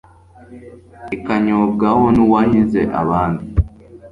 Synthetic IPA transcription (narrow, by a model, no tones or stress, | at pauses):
ekaɲoɡahoniwajinzḛʔa̰βaːndi